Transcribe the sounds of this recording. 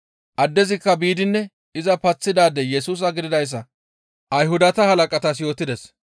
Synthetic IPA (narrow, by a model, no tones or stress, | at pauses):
ʔɐd̪ːɛzɪkːɐbiːd̪ɪnːɛ | ɪzɐpɐt͡sːɪd̪aːd̪ɛjɛsuːs̬ɐɡɪd̪ɪd̪ɐjs̬ːɐ | ʔɐjhʊd̪ɐt̪ɐhɐlɐkʼɐt̪ɐs̬jo̞ːt̪ːɪd̪ɛs